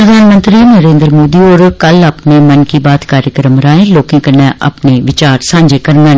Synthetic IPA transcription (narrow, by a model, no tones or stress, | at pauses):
ɾəd̪ʱaːnmə̃nt̪ɾiːnəɾeːnd̪ɾmoːd̪iːoːɾkələːpneːmənkibaːt̪kaːɾjəkɾəmɾaːẽːloːkẽːkənɛ̃ʔə̰pneʋɪt͡ʃaːɾsãːɲd͡ʒekəɾnə̃